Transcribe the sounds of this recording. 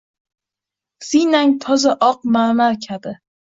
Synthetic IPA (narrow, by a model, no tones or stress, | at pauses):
sinaŋt̪ʰɒzaʔɒq̚maɾmaɾkʲʰabɪ